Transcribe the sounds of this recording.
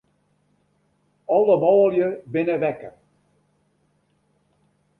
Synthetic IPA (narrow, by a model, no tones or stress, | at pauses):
ɔlˠəmɔːlˠjəbɪnəʋɛkə̰